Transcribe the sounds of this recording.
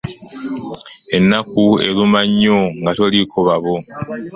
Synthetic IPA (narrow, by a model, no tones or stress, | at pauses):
e̞nːakue̞̰lumaɲːoŋɡatolikʰoβaβo